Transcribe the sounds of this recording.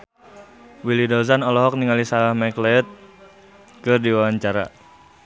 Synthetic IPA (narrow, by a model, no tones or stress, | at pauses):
wilidɔzanɔlɔɦɔk̚niŋalisalahmɛklɛɛt̪̚ | kɨrdiwawaɲt͡ʃaɾa̰